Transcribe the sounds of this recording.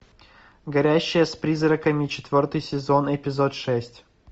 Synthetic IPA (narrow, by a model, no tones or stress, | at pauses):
ɡɐɾʲæɕːɪjəspɾʲizɾəkəmʲɪt͡ɕɪ̥t̪vʲo̞rt̪ɨjsʲɪzo̞nɪpʲɪzo̞t̪ʂɛsʲtʲ